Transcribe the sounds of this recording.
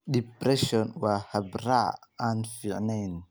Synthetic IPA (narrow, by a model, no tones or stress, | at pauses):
ɗipɾɛʃɔnwaːhɐbɾa̰ʕaːnfiʕnɛjn